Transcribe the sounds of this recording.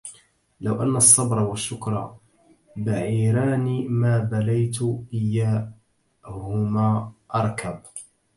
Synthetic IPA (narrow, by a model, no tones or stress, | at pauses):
lawʔanːasˤːɑbɾˤɑwaʃːʊkɾˤɑ̰ | baʕiːɾaːniːmaːbalajt̪ʔɪjːaː | hʊmaːʔɑɾˤkʰab